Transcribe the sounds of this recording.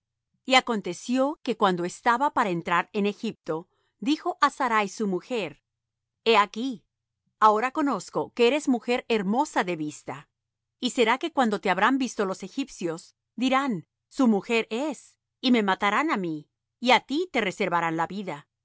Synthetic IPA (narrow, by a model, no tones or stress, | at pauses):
iako̞nt̪e̞sjo̞ke̞kwand̪o̞e̞st̪aβapaɾaent̪ɾaɾe̞ne̞xip̚t̪o̞ | d̪ixo̞ʔasaɾajsumuxe̞ɾ | e̞aki | ao̞ɾako̞no̞sko̞ke̞eɾe̞zmuxe̞ɾe̞ɾmo̞saðe̞βist̪a | ise̞ɾake̞kwand̪o̞t̪e̞aβɾambist̪o̞lo̞se̞xipsjo̞s | d̪iɾan | sumuxe̞ɾes | ime̞mat̪aɾanamiː | at̪it̪e̞re̞se̞ɾβaɾanlaβiða